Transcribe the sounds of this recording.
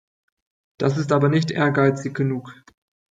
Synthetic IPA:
d̥asɪstʔaːbɐnɪçtʔḛːɐɡaɪt͡sɪçɡ̥ənuːk

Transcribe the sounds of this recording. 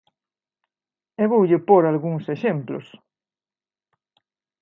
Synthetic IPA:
eβowʎɪpoɾalɣuŋseʃemplo̰s

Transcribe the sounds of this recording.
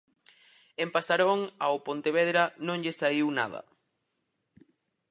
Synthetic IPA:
empasaɾoŋawpont̪eβ̞eðɾanõŋʎesaiwna̰ðɐ̰

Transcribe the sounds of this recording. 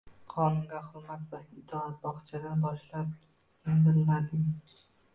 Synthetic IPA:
qʰɒnʊŋɡʲahʊɾmat̪vaɪd̪ʰɒat̪̚bɒχt͡ʃʰad̪anbɒʃlap̚ | sɪmbɪlːad̪ɪŋ

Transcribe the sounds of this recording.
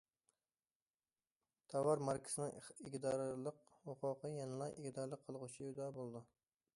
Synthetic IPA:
t̪ʰɑwɑɾmɑɾkʲʰɪ̥sɪnɪŋɪɡʲd̪ɑɾlˠəqhoqʰʊqəjɛnɨlˠɑjʔɪɡʲd̪ɑɾlˠəqʰːəlˠʁʊt͡ʃʰiud̪ɑbolˠd̪u

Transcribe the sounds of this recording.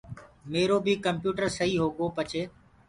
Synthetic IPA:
meːɾoːbʱikəmpjuːʈəɾsəɦiːɦoːɠoːpət͡ʃʰeː

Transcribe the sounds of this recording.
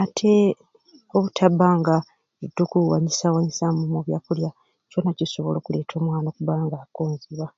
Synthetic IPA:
atʰe̞ | o̞βutʰabaːŋɡa | udukuwa̰ɲisawaɲisamumoβjaːkulja | conaciso̞βo̞̰lo̞ːkule̞ːtʰo̞ːmwaːnoːkuβaːŋɡakoːɲziβa

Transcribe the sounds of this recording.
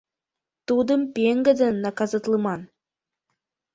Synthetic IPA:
t̪ud̪ɤ̆mpeŋɡɘ̆d̪ɘ̆nːɑkɑzɑt̪lˠɤmɑn

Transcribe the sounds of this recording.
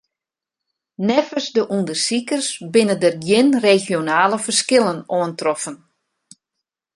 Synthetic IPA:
nɛfəsdəʔundərsikərsbɪnədərɡjɪnrexjonaːləfərskɪlˠənoəntrɔfən

